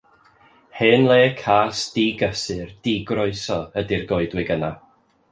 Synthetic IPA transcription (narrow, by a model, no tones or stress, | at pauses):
hɨːnlˠeːkʰaːsd̥iːɡəsɨrd̥iːɡrɔɨsɔədirɡɔɨdwɪɡəna